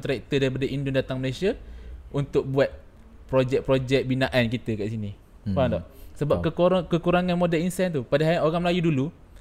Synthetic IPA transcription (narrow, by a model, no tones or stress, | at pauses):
t̪ɾɛk̚t̪ədaɾipadaʔindʊndat̪aŋməlesiaʔunt̪ʊk̚buat̪̚ | pɾod͡ʒɛk̚pɾod͡ʒɛk̚binaʔankit̪əkaʔsini | padɔʔsəbapkəkəkuɾaŋãnmodɛlinsɛnt̪upadaɦaoɾaŋməlajudulu